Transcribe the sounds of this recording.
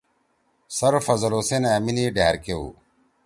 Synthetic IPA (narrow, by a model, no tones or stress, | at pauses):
sɐɾofɐzɐloːsenaːminiɖaɦːɾkeṵ